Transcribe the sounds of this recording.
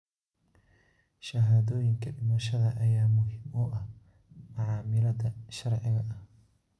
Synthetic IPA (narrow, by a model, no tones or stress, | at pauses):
ʃɐɦaːðɔːjɪŋkʰɐɖɪmɐʃɐðɐʔɐjaːmʊɦɪmʊʔɐh | mʊʕɑːmɪlɐdɐʃɐrʕɪɣɐʔɐh